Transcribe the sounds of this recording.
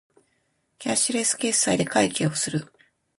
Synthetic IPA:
kʲaɕiɾe̞sɨ̥ke̞sːaid̪e̞kaikʲeːo̞sɨɾɯ̟

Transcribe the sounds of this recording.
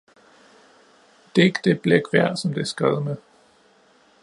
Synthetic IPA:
d̥eɡ̥d̥e̝b̥leɡ̥ʋæɐ̰sɒ̽md̥e̝æɐsɡ̥ʁɛð̞̩ˠmeðˠ

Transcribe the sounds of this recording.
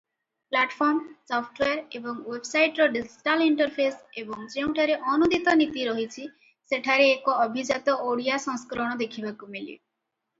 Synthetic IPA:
plaʈpʰɔɾmsɔpʰʈweaɾebɔŋwebsajʈɾɔɖid͡ʒʈaliɳʈɔɾpʰesebɔŋd͡ʒeũʈʰaɾeʔɔnud̪ʱit̪ɔnit̪iɾɔɦit͡ʃʰi | seʈʰaɾeːkɔɔbʱid͡ʒat̪ɔʔoɽijasɔ̃ŋskɾɔɽ̃ɔd̪ekʰibakumilḭ

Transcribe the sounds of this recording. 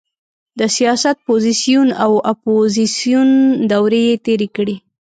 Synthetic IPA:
d̪əsijɑsat̪̚pozisijunawapozisijund̪awɾejet̪eɾekɽi

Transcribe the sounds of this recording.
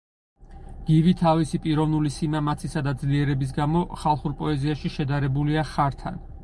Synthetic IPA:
ɡ̥ivit̪ʰavisipʼiɾɔvnulisimamat̪sʰisad̪ad̪zliɛɾɛbis̬ɡamɔχalˠχuɾpʼɔɛziaʃiʃɛd̪aɾɛbuliaχaɾt̪ʰa̰n

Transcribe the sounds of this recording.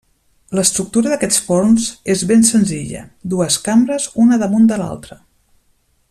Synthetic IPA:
ləst̪ɾuk̚t̪uɾəðəkɛt͡sfornzezβensənziʎə̰d̪uəskambɾəzunəðəmund̪əla̰lˠt̪ɾə

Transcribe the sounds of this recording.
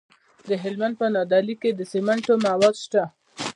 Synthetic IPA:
d̪əɦɪlmand̪̚pənɑd̪ɑliked̪əsemaɳʈomawɑd̪ʃt̪a

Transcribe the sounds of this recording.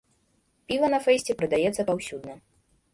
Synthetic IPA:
pʲivɐnɐfɛjsʲt͡sʲɛpɾɨd̪ajɛt̪sːɐpawsʲud̪nɐ

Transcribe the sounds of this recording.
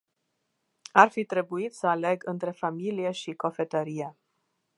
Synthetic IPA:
arfit̪ɾe̞buit̪səale̞ɡɨnt̪ɾe̞familije̞ʃiko̞fe̞t̪əɾije

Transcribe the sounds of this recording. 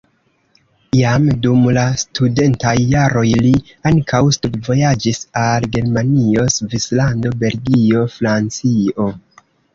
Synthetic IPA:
ijamdumlastʰude̞ntajːaɾo̞jli | aŋkʰawstudvo̞jad͡ʒisalɡe̞ɾmanio̞svislando̞be̞lɡio̞fɾant͡sio̞

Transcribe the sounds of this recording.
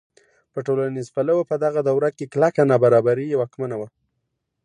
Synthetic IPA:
pəʈolanizfalawopəd̪aɣad̪awɾakeklakanabaɾɑbaɾiwakmanawa

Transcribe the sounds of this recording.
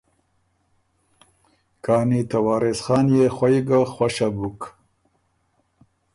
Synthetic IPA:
kɑːnit̪awɑːɾesχɑːnjexwaiɡaxwaʃabuk

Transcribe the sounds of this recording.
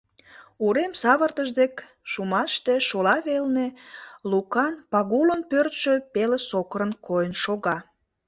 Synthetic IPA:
uɾemsɑβərt̪əʒd̪ek | ʃumɑʃt̪eʃolɑβelnelukɑnpɑɣulənpørt̪ʃøpelesokəɾənkojənʃoɣɑ

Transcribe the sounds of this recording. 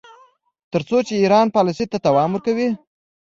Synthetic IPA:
t̪əɾt͡sot͡ʃeiɾɑnpɑlɪsit̪at̪awɑmwəɾkawi

